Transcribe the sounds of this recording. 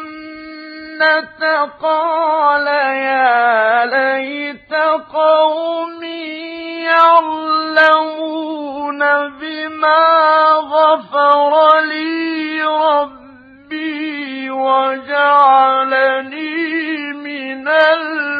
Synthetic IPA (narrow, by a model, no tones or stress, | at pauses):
at̪aqɑːlajaːlahɪt̪aqɑwmiːjɑʕlamuːnabɪmaːɣɑfɑɾˤɑliːɾˤɑbː | iːwad͡ʒaʕalaniːmɪnal